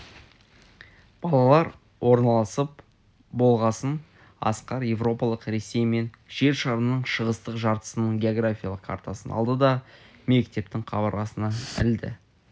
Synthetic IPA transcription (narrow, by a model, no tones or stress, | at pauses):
b̥ɑlˠɑlˠɑɾ | wʔo̞ɾnɑlˠɑsəp̚ | bo̞lˠʁɑsən | ɑ̰sqɑɾje̞vro̞pɑlˠəqɾe̞sːe̞jme̞n | ʒ̥e̞ɾʃɑɾəmnəɴʃəʁəst̪əqʒɑɾt̪ə̥sənəɴɡʲe̞oɡrafʲijɑalˠəqkʰa̰ɾt̪asənɑ̰lˠd̪əd̪ɑme̞kt̪e̞p̚t̪ɪŋqʰɑbɑɾlˠɑsənɑɪld̪ɪ̰